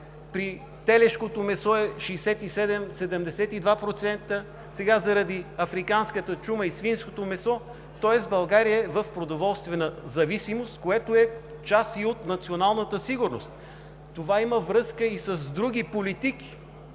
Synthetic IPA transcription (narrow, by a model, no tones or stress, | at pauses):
pɾi | t̪ɛlɛʃkot̪omɛsɔɛʃɛjsɛt̪isɛd̪ɛmsɛd̪ɛmd̪ɛsɛt̪id̪vapɾot̪sɛnt̪ə | sɛɡazɐɾɐd̪iɐfɾikanskət̪ət͡ʃuməisfinskot̪omɛsɔ | t̪ɔɛsbɐlˠɡaɾijəɛvəfpɾod̪ovɔlˠst̪vɛnəzɐvisimost̪koɛt̪oɛ | t͡ʃasiot̪nɐt̪sionalˠnət̪əsiɡʊɾnost̪ | t̪ovaiməvɾɤskəisɐzd̪ɾuɡ̟ipolit̪ik̟i̥